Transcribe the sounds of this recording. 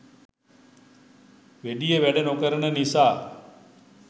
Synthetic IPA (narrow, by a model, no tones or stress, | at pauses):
ʋeɖijəʋæɖenokəɾənənisaː